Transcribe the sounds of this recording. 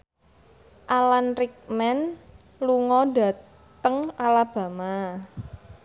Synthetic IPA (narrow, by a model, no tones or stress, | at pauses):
ʔalanrik̚mɛn | luŋɔdä̤ | t̪əŋalab̥ä̤ma